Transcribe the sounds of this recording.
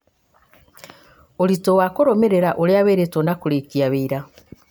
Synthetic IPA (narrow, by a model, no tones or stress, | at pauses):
oɾitowakoɾomeɾeɾaʔoɾeaβeːɾetonakuɾekiaβeiɾa